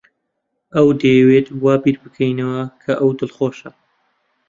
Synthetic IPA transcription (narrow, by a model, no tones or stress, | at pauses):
ɐwd̪ɐjɛwet̪waːbiːɾbɨkʰɐjnɐwɐkʰɐʔɐwd̪ɨlχoːʃɐ